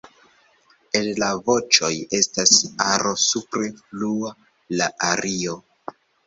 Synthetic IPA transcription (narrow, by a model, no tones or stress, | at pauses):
e̞llavo̞t͡ʃo̞je̞stasaɾo̞supɾe̞flua | laʔaɾʔio̞